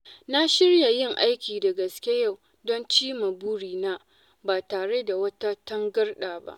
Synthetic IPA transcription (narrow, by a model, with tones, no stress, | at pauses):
na˦ʃɪ˦rja˨jɪ˦˨ŋʔa˦jkʲiː˨da˨ɡɐ˨skʲe˦ja˦˨w | dɔ˦nt͡ʃiː˦ma˨bʊ˦ɽiː˨naː˦ | baː˨taː˨ɽe˦da˨wɐ˦ta˦tɐ˦ŋɡɐ˦rɗaː˨ba̰˦ʔ